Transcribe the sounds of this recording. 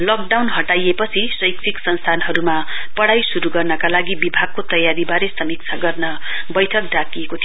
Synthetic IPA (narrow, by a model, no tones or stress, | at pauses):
lʌk̚ɖawnɦʌʈajepʌt͡sʰisʌjksʰiksʌnst̪ʰanɦʌɾumapʌɽajsuɾuɡʌrnʌkalaɡibibʱaɡ̚kot̪ʌjaɾibaɾesʌmik̚t͡sʰaɡʌrnʌ | bʌjʈʰʌk̚dakiekot̪ʰio